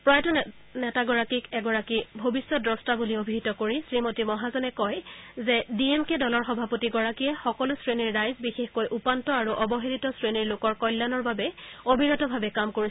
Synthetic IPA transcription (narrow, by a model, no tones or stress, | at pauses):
pɹɔjtɔ | nɛtaɡɔɹakikɛɡɔɹakibʱobisːɔdɹɔstabuliobʱiɦitɔkoɹisɹimotimɔɦazɔnɛkɔjzɛdiemkɛdɔlɔɹxɔbʱapotiɡɔɹakijɛxɔkɔlʊsɹeniɹːajzbixexkojʔupantɔaɹuʔɔbɔɦelitɔsɹeniɹlokɔɹkɔjlːanɔɹbabɛobʱiɹɔtɔbʱabɛkamkoɹi